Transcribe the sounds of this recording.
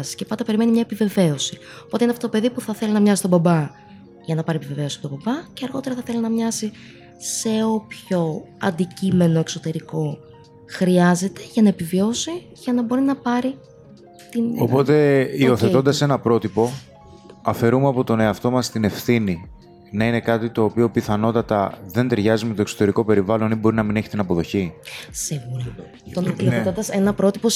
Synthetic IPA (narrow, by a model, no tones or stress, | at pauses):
scepɐnd̪ɐpe̞ɾime̞nimɲɐepive̞ve̞o̞si̥ | opo̞t̪einft̪ot̪ope̞ðipuθɐθe̞linɐmɲɐsi̥t̪o̞bɐbɐ | ʝɐnɐpɐɾiepive̞ve̞siɐpot̪obɐbɐceɐɾɣo̞t̪eɾɐθɐθe̞linɐmɲɐsi | se̞o̞pço̞ɐ̰nd̪icime̞no̞ekso̞t̪e̞ɾiko̞ | xɾiɐze̞t̪e̞̥ʝɐnɐepivio̞si | ʝɐnɐbo̞ɾinɐpɐɾi | t̪inopo̞t̪e̞io̞θeond̪ɐse̞nɐpɾo̞t̪ipo̞ | ɐfe̞ɾumeɐpo̞t̪o̞ne̞ɐft̪o̞mɐst̪ine̞fθini | nɐine̞kɐt̪it̪o̞ːpio̞piθɐno̞t̪ɐt̪ɐ̰ðe̞nt̪eɾʝɐzimet̪o̞kso̞t̪e̞ɾiko̞pe̞ɾivɐlo̞nibo̞ɾinɐmine̞çi̥t̪inɐpo̞ðo̞çisiɣuɾɐ | t̪onioet̪ond̪ɐsenɐpɾo̞t̪ipo̞